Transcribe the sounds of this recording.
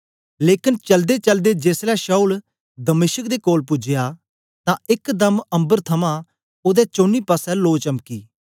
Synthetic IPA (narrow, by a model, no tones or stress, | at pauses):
leːkɪnt͡ʃəld̪eːt͡ʃəld̪eːd͡ʒeːslɛːʃaːuːl | d̪əmɪːʃək̚d̪eːkoːlpʊd͡ʒɪjaː | t̪ãɪkd̪əmə̃mbəɾt̪ʰɐmãː | od̪ɛːt͡ʃoːniːpəsɛloːt͡ʃəmkḭː